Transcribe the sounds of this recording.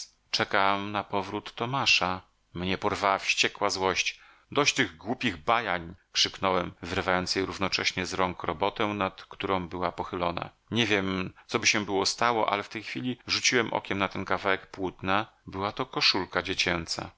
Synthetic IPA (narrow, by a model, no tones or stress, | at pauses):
t͡ʂɛkamnapɔvɾut̪ːɔmaʂa | mɲɛpɔɾvawafɕt͡ɕɛkwazwɔɕt͡ɕ | d̪ɔɕt͡ɕt̪ɘɣɡwupʲiɣbajaɲkʂɘknɔwɛmvɘɾvajɔnt̪sjejɾuvnɔt͡ʂɛɕɲɛzɾɔŋkɾɔbɔt̪ɛw̃nat̪kt̪uɾɔ̃w̃bɘwapɔxɘlɔna̰ | ɲɛvʲjɛmt̪sɔbɘɕɛbɘwɔst̪awɔ̰ʔa̰lɛft̪ɛjxfʲilʲiʐut͡ɕiwɛmʔɔ̰kʲɛmnat̪ɛnkavawɛkpwut̪nabɘwat̪ɔkɔʂulkad͡ʑet͡ɕɛnt̪sa̰